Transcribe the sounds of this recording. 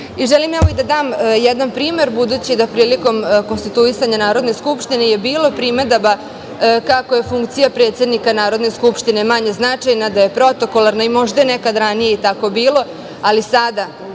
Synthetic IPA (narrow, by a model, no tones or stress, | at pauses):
iʒelimɛʋoid̪ad̪aːmjɛd̪nanpɾiːme̞ɾbud̪uːt͡ɕid̪apɾiːliko̞mko̞nst̪it̪uisaɲanaːɾo̞d̪ne̞skupʃt̪ineje̞biːlˠo̞pɾime̞d̪aba | kako̞je̞fuŋkt̪sijapɾet̪se̞d̪nikanaːɾo̞d̪ne̞skupʃt̪ine̞maɲe̞znat͡ʂajnad̪aje̞pɾo̞t̪o̞kolˠaɾnaimo̞ʒd̪aenekad̪ɾanije̞it̪ako̞biːlo̞ | alisad̪a